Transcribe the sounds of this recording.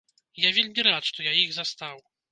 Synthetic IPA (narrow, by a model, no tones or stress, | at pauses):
javʲelʲmʲiɾat̪ʂt̪ɔjaiɣzast̪aw